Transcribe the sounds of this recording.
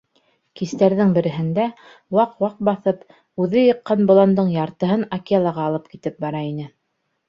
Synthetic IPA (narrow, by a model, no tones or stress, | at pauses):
kist̪æɾðɘŋbɘ̆ɾɘ̆ɦɘ̆nd̪æ | wɑqwɑq̚bɑθɤp | ʉðɘjɤ̆qːɑnbŏlˠɑnd̪ɤɴjɑɾt̪ɤ̆ɦɤnɐkialˠɑʁɑːlˠɤp̚kit̪ɘp̚bɑɾɑin̪ɘ